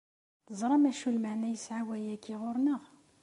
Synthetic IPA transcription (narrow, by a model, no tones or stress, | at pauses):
t̪əzˤɾˤɑmæʃulməʕnæjəsʕawæjækiʁʊɾˤnəʁ